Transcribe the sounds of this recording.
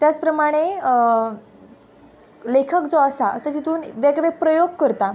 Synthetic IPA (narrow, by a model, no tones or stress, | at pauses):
t̪jat͡spɾəmaɽ̃e | lekʰəkd͡zoəsat̪əɾt̪it̪uːnʋeɡɭepɾəjoɡ̚kəɾt̪a